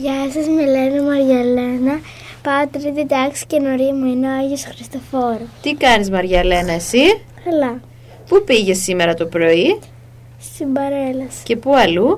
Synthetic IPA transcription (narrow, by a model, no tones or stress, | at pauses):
ʝɐsɐzme̞lenɐmɐɾʝɐlenɐ | pɐot̪ɾit̪it̪ɐksi̥cenoɾimuineoɐʝosxɾist̪o̞fo̞ɾot̪ikɐnizmɐɾʝɐle̞nɐesikɐlɐ | pupiʝe̞sːime̞ɾɐt̪o̞pɾo̞i | st̪imbɐɾe̞lɐsce̞puɐlu